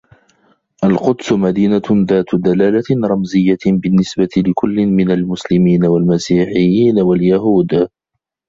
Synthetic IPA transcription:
ʔalqʊd̪sʊmad̪iːnaðaːt̪d̪alaːlaɾˤɑmzɪjːabɪnːɪsbat̪ɪlɪkʊlːɪnmɪnalmʊslɪmiːnawalmasiːħɪjːiːnawaljahuːd̪

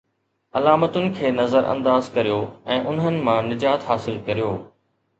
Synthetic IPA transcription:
ɐlaːmət̪ʊnɪ̆kʰeːnɐzəɾʔɐ̰̃nd̪aːzkɐɾijoːɛ̃ːʔʊn̤ɦənɪ̆mãːnɪd͡ʑaːt̪ɦaːsɪlkɐɾijoː

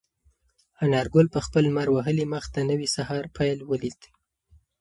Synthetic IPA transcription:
anɑɾɡʊlpəxpəlmaɾwaɦəliməxt̪anəwisahɑɾpʰajlwəlid̪

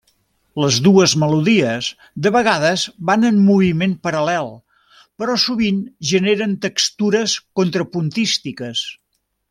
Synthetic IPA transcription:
ləzðuəzməluðiəz | d̪əβəɣaðəzβanəmmuβimenpəɾəlɛlˠ | pəɾɔsuβinʒəneɾənt̪əkst̪uɾəskont̪ɾəpunt̪ist̪ikəs

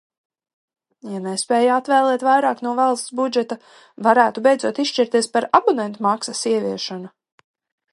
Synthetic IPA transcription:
janespɛːjat̪vɛːlˠɛːt̪vajɾaːknuɔvalˠst̪sbud͡ʒɛt̪a | vaɾæːt̪ubejdzuɔt̪isʃt͡ʃiɾt̪iɛspaɾabunɛnt̪umaksɐsiɛvʲiɛʃanu

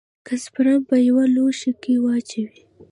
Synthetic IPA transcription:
kaspɾampajawaloʃikiwɑt͡ʃawi

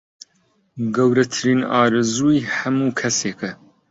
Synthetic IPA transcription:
ɡɐwɾɐt̪ʰɨɾiːnɑːɾɨzuːiħɐmuːkʰɐseːkɨ

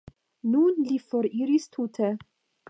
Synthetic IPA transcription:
nunlifoɾiɾist̪ʰutʰe

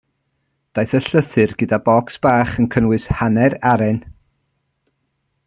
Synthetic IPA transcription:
d̥ajθəɬəθɨrɡədabɔksb̥aːχənkʰənwɨshanɛɾaɾɛn

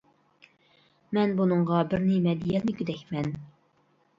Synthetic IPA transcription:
mɛnbunɨŋʁɑbɪɾnɪmɛd̪ijɛnɪɡʲyd̪ɛkʲmɛn

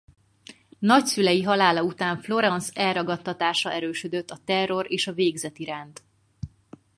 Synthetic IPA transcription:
nɒcsylɛjiɦɒlaːlɒut̪aːɱflo̞ɾɒnsɛlrɒɡɒt̪ːɒt̪aːʃɒɛɾøːʃød̪øt̪ːɒt̪ɛrːo̞reːʃɒveːɡzɛt̪iɾaːnt̪

